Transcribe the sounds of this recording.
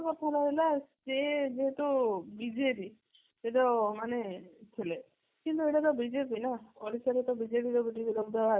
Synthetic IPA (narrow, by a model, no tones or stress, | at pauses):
kɔt̪ʰalaɦelased͡ʒeɦet̪ubid͡ʒepi | eʈɔmanet̪ʰile | kint̪ueʈat̪ɔbid͡ʒepinaɔɾisaɾet̪ɔbid͡ʒepiɾɔbidibiɾɔbd̪aba